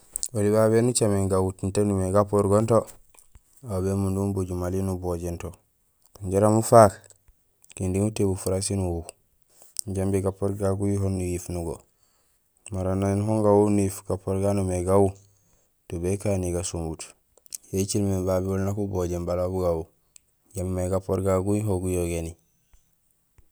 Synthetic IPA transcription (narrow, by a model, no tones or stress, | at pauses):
oliβaβenut͡ʃameŋɡawutintenumeɡapoɾɡonto | abemundumbuɟumalinuboɟento | kaɲɟeɾamufak | kindiŋutebufuɾasinuhu | ɲɟambiɡapoɾɡaɡujiɦonːujifnuɡo̰ | maɾanːaninɦoŋɡawunuifɡ̥apːoɾɡanumeɡawu | tubekaniɡasumbut | jet͡ʃilmebabiwulnakuboɟembalabuɡawu | ɟamimaɡapoɾɡaɡujɦoɡujoɡeni